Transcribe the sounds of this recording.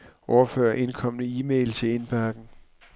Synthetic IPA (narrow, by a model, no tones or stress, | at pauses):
ʔɒʊɐfø̰ːɐʔe̝nkʰɒ̽m̰nəiːmeɪlt͡sʰe̝e̝nb̥æɐɡ̥n̩